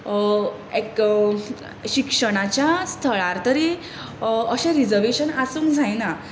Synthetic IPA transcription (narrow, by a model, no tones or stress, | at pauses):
ek | ɕikʂəɽ̃at͡ɕjast̪ʰəɭaɾt̪əɾi | əɕẽɾid͡zəɾʋeɕənasũːŋkd͡zʱajna